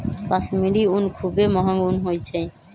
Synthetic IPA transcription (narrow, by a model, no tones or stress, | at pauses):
kasmiɖiunkʰubemɔɦaɡunɦojt͡ɕʰe